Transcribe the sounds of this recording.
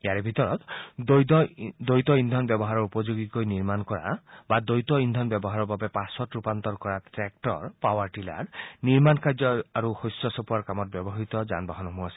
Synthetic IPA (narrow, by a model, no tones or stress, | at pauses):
eaɾebʱit̪ɔɾɔt̪ | d̪ojt̪ɔind̪ʱɔnbjɔbɔɦaɾɔɾupɔd͡ʒoɡikojniɾmankɔɾa̰bad̪ojt̪ɔind̪ʱɔnbjɔbɔɦaɾɔbabepasɔtɾupant̪ɔɾkɔɾatɾek̚ʈɔɾpawaɾʈila̰ɾniɾmankaɾd͡ʒɔaɾuhojsɔsɔpuaɾkamɔt̪̚bjɔbɔɦit̪ɔd͡ʒa̰nbaɦɔnɔɦũasi̥